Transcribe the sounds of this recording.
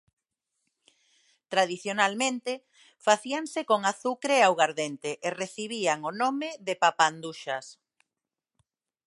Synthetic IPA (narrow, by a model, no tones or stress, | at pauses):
t̪ɾaðiθjonalmẽnt̪e | faθiaŋsekoŋaθukɾeawɣaɾðent̪eʔereθiβiaŋonomeðepapand̪uʃas